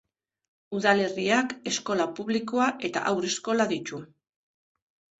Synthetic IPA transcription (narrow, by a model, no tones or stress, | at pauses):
uðale̞riake̞sko̞lapuβliko̞aʔe̞t̪a̰ʔawɾe̞sko̞laðit͡ʃu